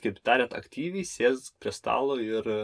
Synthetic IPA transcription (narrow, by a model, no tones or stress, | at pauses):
kɐɪpt̪ɑːɾʲɛt̪ɐ̰kt̪ʲiːʋʲɛɪsʲeːspʲɾʲiɛst̪ɑ̰ːlˠoːɪɾ